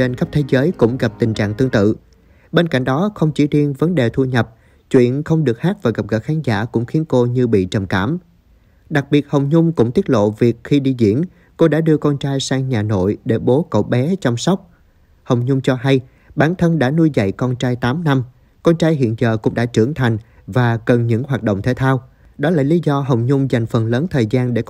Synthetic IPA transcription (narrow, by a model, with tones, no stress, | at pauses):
e˧nxə˦˥p̚t̪ʰe˨˦zəː˨˦jkʊ̰˧˥ŋ͡mɣa˨˩p̚t̪ï˨˩ŋ̟t͡ɕa̰ː˧˨ŋt̪ɨ˧əŋt̪ɨ̰˧˨ | ɓe˧nka̰˧˩jŋ̟ɗɔ˨˦xə˧wŋ͡mt͡ɕḭ˧˩zi˧ənvə˨˦nɗe˨˩t̪ʰu˧ɲə˨˩p̚ | t͡ɕwḭ˧˨ənxə˧wŋ͡mɗɨ˨˩ək̚haː˦˥k̚vaː˨˩ɣa˨˩p̚ɣə̰˧˩xaː˨˦nzaː˧˩kʊ̰˧˥ŋ͡mxi˨˦ənko˧ɲɨ˧ɓḭ˧˨t͡ɕə˨˩mka̰ː˧˩m | ɗa˨˩k̚ɓi˨˩ət̚hə˨˩wŋ͡mɲʊ˧ŋ͡mkʊ̰˧˥ŋ͡mt̪i˦˥t̚lo̰˧˨vi˨˩ək̚xi˧ɗi˧zḭ˧˩ən | ko˧ɗa̰ː˧˥ɗɨ˧əkɔ˧nt͡ɕaː˧jsaː˧ŋɲaː˨˩no̰˧˨jɗe˧˩ɓo˨˦kə̰˧˨wɓɛ˨˦t͡ɕɔ˧wŋ͡msɔ˦˥wk͡p̚ | hə˨˩wŋ͡mɲʊ˧ŋ͡mt͡ɕɔ˧ɦa˧j | ɓaː˨˦nt̪ʰə˧nɗa̰ː˧˥nu˧jzə̰˧˨jkɔ˧nt͡ɕaː˧jt̪aː˨˦mna˧m | kɔ˧nt͡ɕaː˧jɦḭ˧˨nzəː˨˩kʊ̰˧˥ŋ͡mɗa̰ː˧˥t͡ɕɨ˧˩əŋt̪ʰa˨˩jŋ̟ | vaː˨˩kə˨˩nɲɨ̰˧˥ŋhwaː˨˩t̚ɗo̰˧˨ŋ͡mt̪ʰe˧˦t̪ʰaː˧w | ɗɔ˨˦laː˨˩li˨˦zɔ˧ɦə˨˩wŋ͡mɲʊ˧ŋ͡mza˨˩jŋ̟fə˨˩nləː˨˦nt̪ʰəː˨˩jzaː˧nɗe˧˩